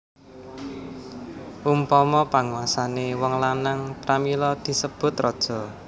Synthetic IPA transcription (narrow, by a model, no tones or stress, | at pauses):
ʔumpɔmɔpaŋuwasanewɔŋlanaŋpɾamilɔd̪̥i̤səb̥ʊ̤t̪rɔd̥ʒ̥ɔ̤